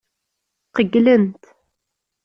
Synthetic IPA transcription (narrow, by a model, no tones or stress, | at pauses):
qəɡlənt̪